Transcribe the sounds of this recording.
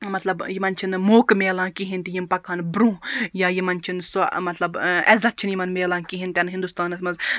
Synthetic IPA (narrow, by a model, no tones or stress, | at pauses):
mɐt̪lɐbjimɐnt͡ʃʰinmoːkmeːlãːkiɦint̪ijimpɐkʰanbɾũjajimɐnt͡ʃʰinsomɐt̪lɐbɛzɐt̪̚t͡ʃʰinjimɐnmeːlãːkiɦint̪ʲɐnɦind̪ust̪aːnɐsmɐz